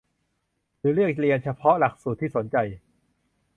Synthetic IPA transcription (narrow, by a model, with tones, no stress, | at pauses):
ɾɯː˩˦ɾɯ˥˩ək̚li˧ənt͡ɕʰa˧pʰɔ˦˥la˨˩k̚suː˨˩t̪ʰːiː˥˩so˩˦nt͡ɕa˧j